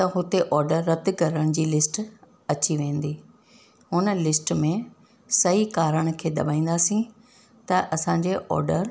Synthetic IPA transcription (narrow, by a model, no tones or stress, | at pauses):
t̪ɐɦʊt̪eʔɔːɾɖəɾːɐt̪ɡɐɾəɽ̃d͡ʑiːlɪsʈ | ɐt͡ɕiʋẽːnd̪iː | ɦʊnlɪsʈmẽ | sɐɦikaːɾəɽ̃kʰeːd̪ɐ̰baːĩːnd̪aːsĩ | t̪ɐʔɐsãːɲ̆d͡ʑeʔɔ̰ːɾɖəɾ